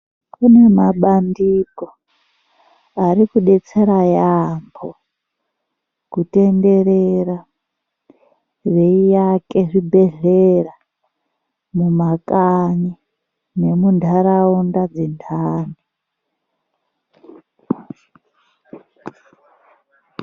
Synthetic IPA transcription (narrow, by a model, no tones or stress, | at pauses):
kunemaɓandiko | aɾikuɗe̞t͡se̞ɾajambʰo | kute̞nde̞ɾera | reijake̞ʐibʱeɮera | mumakaɲi | ne̞mundʱaɾaundad͡zintʰaːnu